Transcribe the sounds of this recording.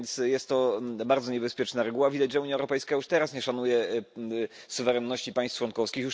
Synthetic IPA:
nt̪sjɛst̪ːɔbaɾd̪zɔɲɛbɛspʲjɛt͡ʂnaɾɛɡuwavʲid̪ad͡ʑʐɛuɲjaɛwɾɔpɛjskajuʂt̪ɛɾasɲɛʂanujɛ | suvɛɾɛnːɔɕt͡ɕipaj̃st̪ʂwɔnkɔfskʲixjuʂ

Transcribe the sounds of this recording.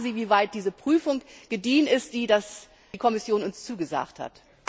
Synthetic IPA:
ziːviːvaɪt̚d̥iːzəpʁ̥yːfʊŋɡ̥ədiːnɪstd̥iːdas | kʰɔmɪsjoːnʊnst͡suːɡəza̰ːktha̰t

